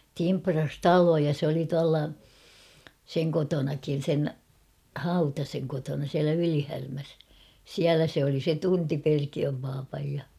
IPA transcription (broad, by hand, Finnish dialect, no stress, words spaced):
timprɑs tɑlojɑ s oli tuɑlːɑ seŋ kotonɑkin̞ sen hɑutɑseŋ kotonɑ siælæ ylihærmæs siælæ se oli se tunti perkiøm pɑːpɑj jɑ